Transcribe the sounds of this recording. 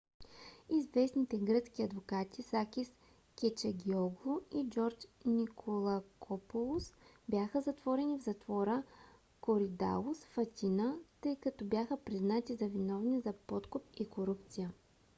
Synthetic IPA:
izvɛsnit̪ɛɡɾɤt̪skʲiɐd̪vokat̪isakʲis | kʲɛt͡ʃəɡʲiɔɡlˠoid͡ʒɔɾt͡ʃnikʰolˠəkʰɔpolˠʊsbʲjaxəzɐt̪vɔɾɛnivzɐt̪vɔɾə | koɾid̪a̰lˠʊsfɐt̪ʲinət̪ɤjkɐt̪ɔbjaxəpɾiznat̪izɐvinɔvnizɐpɔt̪kʊp̚ikoɾupt̪sijə

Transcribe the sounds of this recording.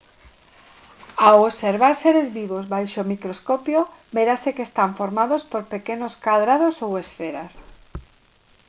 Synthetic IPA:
aoβseɾβaɾseɾezβiβozβajʃomikɾoskɔpjobeɾasekeːst̪aɱfoɾmaðospoɾpekenoskaðɾað̞osowesfeɾas

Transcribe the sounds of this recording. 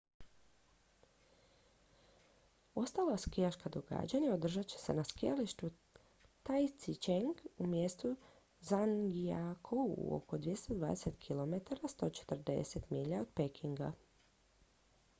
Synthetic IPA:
o̞st̪aːlaskijaʃkad̪o̞ɡa̰d͡ʑaɲaod̪r̩ʒat͡ɕe̥se̞̰naskijaliʃt̪u | t̪ajt̪sit͡ʃeŋɡumjest̪u | zaŋɡiakʰouṵo̰ko̞d̪ʋje̞st̪od̪ʋa̰ːd̪ese̞t̪kʰilo̞me̞t̪aɾast̪o̞ːt͡ʃe̥t̪r̩d̪e̞̰se̞t̪miʎaod̪pekʰiŋɡa̰

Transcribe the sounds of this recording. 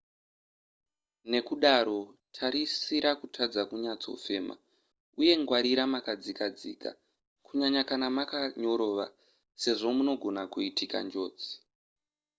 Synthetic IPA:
ne̞kuɗaɾo̞tʰaɾisiɾakutʰad͡zakuɲat͡so̞̰fe̞ːma̰ | uje̞ŋɡwaɾiɾamakad͡zikad͡zḭːka̰ | kuɲaɲakanamakaɲo̞ɾo̞ːʋa̰ | se̞ʐo̞muno̞ɡʱo̞nakuitʰika̰nd͡ʒo̞ːd͡zi̥

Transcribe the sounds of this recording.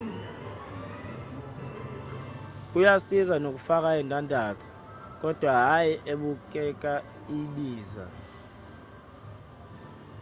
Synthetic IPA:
k̬ʼujasizanok̬ʼufak̬ʼaɛntʼandʱaːtʰu̥ | k̬ʼɔd̥ʱwaɦajɛʔeɓuk̬ʼɛk̬ʼa | iɓiːza̰

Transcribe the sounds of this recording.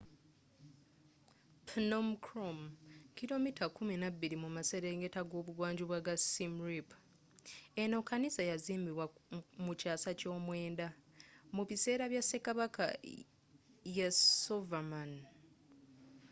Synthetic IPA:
pʰnomkʰɾomkilo̞mitakuminabːiɾimumaseɾeŋɡe̞taɡo̞ːβuɡwaːɲɟuβwaɡasimɾip | eno̞kanisajaziːmbiβwamucaːsaco̞ːmwe̞ːndamuβise̞ːɾaβjase̞kaβaka̰ | jasovaman

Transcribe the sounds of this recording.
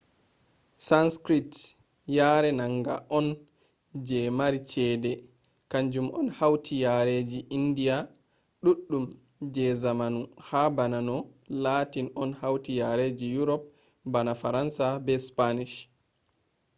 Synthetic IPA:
sanskɾit | jaːɾɛnaŋɡa̰ʔɔn | d͡ʒɛmaɾit͡ʃɛdɛ | kaɲd͡ʒumɔ̰nhawtʰijaɾed͡ʒiʔindija | ɗuɗːum | d͡ʒɛzamanuhabananɔlaːtinɔnhawtijaɾed͡ʒijuɾɔp̚ | banafaɾansabɛspaniʃ

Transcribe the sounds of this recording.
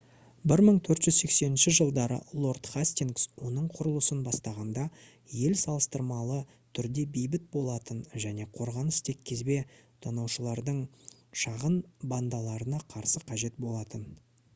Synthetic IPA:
bɪɾməɴt̪ʰɵɾt̪ʒ̥ʏzse̞kse̞nɪnʃɪʒəlˠd̪ɑɾə̰lˠo̞rt̪χasʲt̪iŋɡswo̞nəɴqʰʊɾəlˠəsənbɑst̪ɑʁɑnd̪ɑ | je̞lsɑlˠəst̪əɾmɑlˠə | t̪ʰʏɾd̪e̞bejbɪt̪̚bo̞lˠɑt̪ənʒæne̞qʰo̞ɾʁɑnəst̪ʰe̞kʲʰːe̞zbet̪ʰɑnɑwʃəlˠɑɾd̪əɴ | ʃɑʁənband̪ɑlˠɑɾənɑqʰɑɾsəqʰɑʒe̞t̪̚bo̞lˠɑt̪ən

